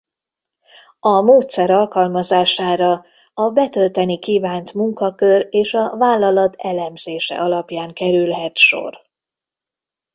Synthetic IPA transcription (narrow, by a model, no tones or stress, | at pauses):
ɒmoːt̪sɛɾɒlkɒlmɒzaːʃaːɾɒ | ɒbɛt̪ølt̪ɛnikiːvaːnt̪muŋkɒkøreːʃɒvaːlːɒlɒt̪ɛlɛmz̥eːʃɛ̰ʔɒlɒpjaːŋkɛɾylɦɛt̪ʃo̰r